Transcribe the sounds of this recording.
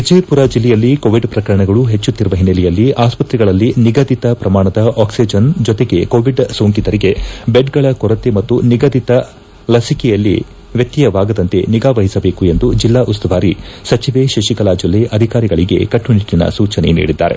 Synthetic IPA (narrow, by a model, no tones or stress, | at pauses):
id͡ʒeːpuɾɐd͡ʒilːɛjɐlːikoːʋiɖpɾɐkɐɾɐɳɐɡɐɭuɦet͡ʃːut̪ːiɾuʋɐɦinːɐlɛjɐlːiʔaːspɐt̪ɾiɡɐɭɐlːiniɡɐd̪it̪ɐpɾɐmaːɳɐd̪ɐʔaːksid͡ʒɐnd͡ʒɔt̪eɡe̞koːʋiɖsoːŋkid̪ɐɾiɡe̞beɖɡɐɭɐkɔɾɐt̪emɐt̪ːuniɡɐd̪it̪ɐ | lɐsikɛjɐlːḭ | ʋjɐt̪ːijɐʋaːɡɐd̪ɐnt̪e̞̰niɡaːʋɐɦisɐbe̞ːkue̞nd̪ud͡ʒilːaːʔust̪ɐʋaːɾisɐt͡ʃiʋeʃiʃikɐlaːd͡ʒilːeʔɐd̪ʱikaːɾiɡɐɭiɡe̞̰kɐʈːuniʈːinɐ̰suːt͡ʃɐnḛnḭːɽid̪ːa̰ːɾe̞̰